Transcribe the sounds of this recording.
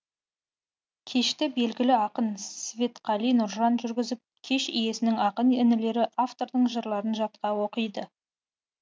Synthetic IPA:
kʲʰe̞ʃt̪ɪbe̞lɡʲɪlɪɑqənssvʲe̞t̪qʰɑlˠijnʊɾʒɑnʒʏɾɡʲɪzɪp̚kʲʰe̞ʃije̞sɪnɪŋɑqənɪnɪle̞ɾɪʔaft̪o̞ɾd̪əɴʒəɾlˠɑɾənʒɑt̪̚qɑwo̞qəjd̪ə

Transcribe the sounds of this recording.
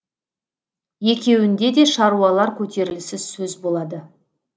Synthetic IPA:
je̞kʲe̞wɪnd̪e̞d̪e̞ʃɑɾuɑlˠɑɾkʲʰɵt̪ʰe̞ɾɪlɪsɪz̥sɵzbolˠɑd̪ə

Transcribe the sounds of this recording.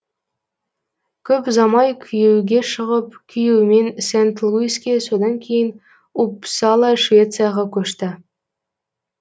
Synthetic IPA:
kʲɵpzɑmɑjkʲʰyjɘ̆wɡʲeʂɤ̆ʁɤ̆pkʲʰyjɘ̆wmʲensʲent̪lˠuiskʲesod̪ɑnkʲejən | upsɑlˠɑʂvʲet̪t͡sɨjɑʁɑkʲɵʃt̪ɘ̆

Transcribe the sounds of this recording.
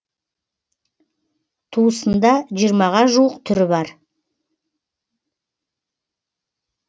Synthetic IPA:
t̪ʰuəsənd̪ɑʒijəɾmɑʁɑʒuwəqt̪ʰʏɾɪbɑɾ

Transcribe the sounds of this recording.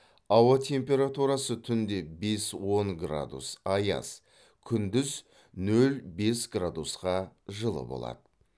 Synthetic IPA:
ɑwɑt̪ʲʰe̞mpe̞ɾat̪uɾɑsət̪ʰʏnd̪e̞be̞swo̞ŋɡra̰d̪ṵsɑjɑ̰s | kʲʰʏnd̪ɪz | nɵlbe̞sɡrad̪usqɑʒəlˠə̰bo̞̰lˠɑ̰d̪ə

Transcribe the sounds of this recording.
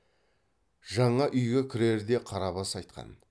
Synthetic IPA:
ʒɑɴɑʔʏjɡʲekʲʰʏɾe̞ɾd̪e̞qʰɑɾɑβɑsɑjt̪̚qɑ̰n

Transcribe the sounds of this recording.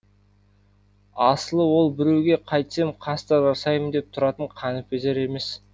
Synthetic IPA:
ɑsəlˠəwo̞lˠbɪɾe̞wɡʲe̞qʰɑjt̪ə̥semqʰɑst̪əʒɑsɑjmənd̪e̞p̚t̪ʰʊɾɑt̪əɴqʰɑnəpeze̞ɾe̞me̞s

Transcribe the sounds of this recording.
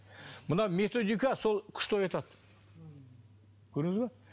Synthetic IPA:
mʊnɑme̞t̪o̞d̪ijkaso̞lˠkʲʰʏ̥ʃt̪ojɑt̪ɑt̪ | kʲʰɵɾɪŋɪzba

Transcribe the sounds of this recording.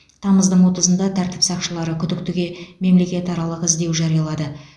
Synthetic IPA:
t̪ʰɑməzd̪əɴwo̞t̪əzənd̪ɑt̪ʰæɾt̪ɪ̥psɑqʃəlˠɑɾəkʲʰʏd̪ɪk̚t̪ɪɡʲe̞me̞mle̞kʲe̞t̪ɑɾɑlˠəqɪzd̪e̞wʒɑɾijɑlˠɑd̪ə

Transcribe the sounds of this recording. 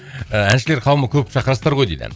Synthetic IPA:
əænʃɪleɾqʰɑwəməkʲʰɵp̚ʃɑqəɾɑst̪ɑɾʁo̞jd̪ed̪æ̰n

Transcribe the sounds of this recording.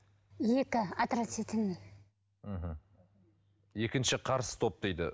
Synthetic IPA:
je̞kʲɪat̪ɾasit̪ɪnme | m̩ɦm̩ | je̞kʲɪnʃɪqʰɑɾsə̥t̪ʰo̞p̚d̪ejd̪ɪ̰

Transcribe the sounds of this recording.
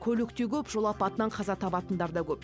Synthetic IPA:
kʲʰɵlɪkt̪ekʲʰɵpʒolˠɑpɑt̪ənɑɴqʰɑzɑt̪ʰɑpɑt̪ənd̪ɑɾd̪ɑkʲɵp

